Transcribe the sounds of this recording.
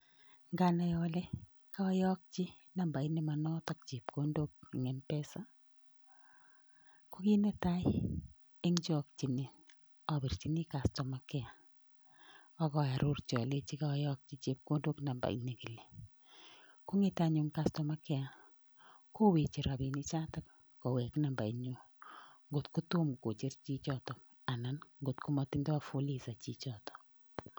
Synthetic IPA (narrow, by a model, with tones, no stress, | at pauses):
ŋɡa˦na˨jɔle˦ | ka˦ɔ˦jɔ˦k̚t͡ʃi˦ | na˨mba˨i˦ne˦ma˨nɔ˦tɔk̚t͡ʃi˨p̚ko˦ndo˦k̚ŋɛ˨mpɛ˦sa˦ | ko˦ki˦ne˦ta˦j | e˦ŋd͡ʒɔ˨k̚t͡ʃi˨ni˨ | a˨bi˨rt͡ʃi˦ni˦ka˨stɔ˨ma˨kɛ˦a˨ | ɔ˦kɔ˨a˨ɾʔo˦rt͡ʃɔ˨le˦t͡ʃi˦ka˦jɔ˦k̚t͡ʃi˦t͡ʃe˦p̚ko˦do˦kna˨mba̰˨ḭ˦ne˦ki˨le˨ | ku˦ŋɪ˦ta˦ɲʊ˦ŋkastɔ˨ma˦kɛ˦a˦ | ko˦we˨t͡ʃi˨ɾa˨bi˨ni˦t͡ʃa˦ta˦k̚ | kɔ˨wɛ˨kna˨mba˨i˦ɲo˦ | ŋɡo˨tku˦tu˦mko˨t͡ʃe˦rt͡ʃi˦t͡ʃɔtɔ˨ | a˨na˨nŋɡo˨tku˦mɔtɪ˦ndɔ˦a˦fu˦li˨sa˨t͡ʃi˦t͡ʃɔtɔ̥˨